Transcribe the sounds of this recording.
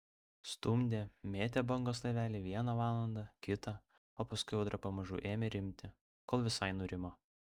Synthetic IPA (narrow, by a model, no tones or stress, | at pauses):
st̪ʊmʲd̪ʲeːmʲeːt̪ʲeːbɐŋɡoːslˠɐɪʋʲæːlʲiːʋʲiɛnɐʋɑːlˠɐnd̪ɐkʲɪt̪ɐ | oːpɐskʊɪjɛʊd̪ɾɐpɐmɐʒṵːʔeːmʲeɾʲɪmʲt̪ʲɪ | koːlˠʋʲɪsɐɪnʊɾʲɪmoː